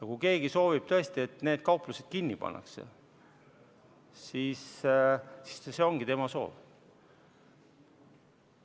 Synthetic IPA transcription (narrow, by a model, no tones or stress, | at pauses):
jɑkuke̞ːɡ̥iso̞ːvib̥̚t̪ɤ̞e̞st̪ie̞t̪ne̞ːd̪̥̚kɑuplused̪̥̚kinʲːipɑ̰nːɑ̰ksḛ | siːs | si̥sse̞o̞ŋɡit̪e̞mɑso̞̰ːl